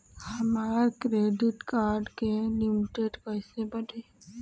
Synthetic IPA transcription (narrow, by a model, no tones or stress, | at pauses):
həmaːɾakɾeːɖɪʈkaːɾɖkelimʈeʈkəjsebəɖe